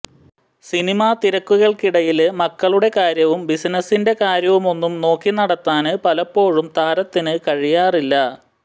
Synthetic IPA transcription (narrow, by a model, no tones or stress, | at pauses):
sinimat̪iɾɐkːuɣɐɭkiɽɐjilmɐkːɐɭuɽe̞kaːɾjɐʋumbisnɐsinde̞kaːɾjɐʋumo̞nːumno̞ːkːinɐɽɐt̪ːaːnɨpɐlɐpːo̞ːɻumt̪aːɾɐt̪ːinɨkɐɻijaːrilːɐ